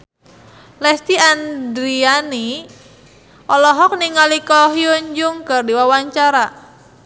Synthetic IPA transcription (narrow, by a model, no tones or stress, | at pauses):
lɛst̪iandɾiani | ʔɔlɔɦɔk̚niŋalikɔɦjuɲd͡ʒʊŋkərdiwawaɲt͡ʃaɾa